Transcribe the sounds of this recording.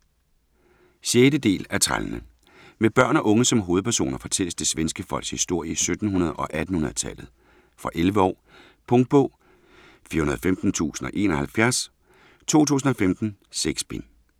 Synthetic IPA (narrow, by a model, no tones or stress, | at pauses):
ɕjeːɾəd̥e̝̰ːlæɐt͡sʰʁa̰lnə | meb̥ɶɐ̰nɒ̽ʔɔ̽ŋəsɒ̽mɦo̝ːð̞̩ˠpʰæɐso̝̰ːnɐfɒ̽t͡sʰel̰əsd̥e̝sʋensɡ̥əfɒ̽l̰ɡ̥shisd̥o̝ɐ̰iəsød̥n̩hunɐð̞̩ˠɒ̽ʔæd̥n̩hunɐð̞̩ˠt͡sʰɛl̰ð̞̩ˠ | fʁɑ̈ʔelʋəɒ̰ː | pʰɔ̽ŋd̥̚b̥ɔ̰̽ː | fiɐhunɐð̩ˠɒfemd̥n̩t͡sʰṵːsn̩ɒ̽ʔe̝̰ːnɒ̽hælfjæɐs | t͡sʰo̝̰ːt͡sʰṵːsn̩ɒ̽femd̥n̩seɡ̥sb̥en